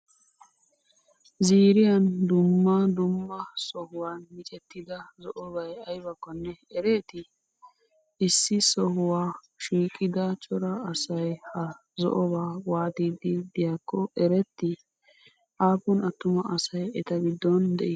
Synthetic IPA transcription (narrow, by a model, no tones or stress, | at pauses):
ziːɾɪjɐnd̪ʊmːɐd̪ʊmːɐsɔɦʊwaːnmɪt͡ʃʼɛt̪ːɪd̪ɐzɔʔɔbɐjɐjbɐkːɔnːɛɛɾeːt̪ɪ | ɪsːɪsɔhʊwaː | ʃiːkʼːɪd̪ɐt͡ʃʼɔɾɐɐsɐjhɐ | zɔ̰ʔɔbaːwaːt̪iːd̪ɪd̪ɪjakːɔɛɾɛt̪ːɪ | ʔaːpʊnɐt̪ːʊmɐʔɐsɐjɛt̪ɐɡɪd̪ːɔnd̪ɛʔɪ